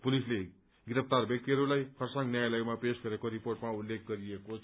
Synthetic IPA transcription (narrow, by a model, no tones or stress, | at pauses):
pulisle | ɡiɾʌp̚t̪arbjʌk̚t̪iɦʌɾulajkʰʌrsʌŋɡnjajalʌɡmapesɡʌɾekoɾiporʈmaulːek̚ɡʌɾiekot͡sʰ